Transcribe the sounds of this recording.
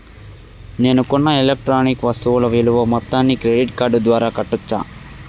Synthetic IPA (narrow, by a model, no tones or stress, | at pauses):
ne̞ːnukunːɐelek̚ʈɾaːnikʋɐst̪uʋulɐʋiluʋɐmɔt̪ːaːnːikɾeɖiʈkaːɾɖd̪ʋaːɾaːkɐʈːut͡ʃːa̰ː